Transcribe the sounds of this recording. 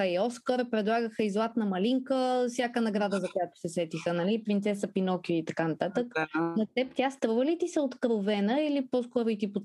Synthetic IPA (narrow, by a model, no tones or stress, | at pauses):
əiɔskəɾpɾɛd̪lˠaɡəxəizlˠat̪nəmɐliŋkəfsʲjakənɐɡɾad̪əzɐkojat̪o̥sɛsɛt̪ixənɐlipɾint̪sɛsɐpinɔkiit̪ɐkanɐt̪at̪əknɐt̪ɛpt̪ʲjast̪ɾuvəlit̪isɛot̪kɾovɛnəilipɔskɔɾʊit̪ipo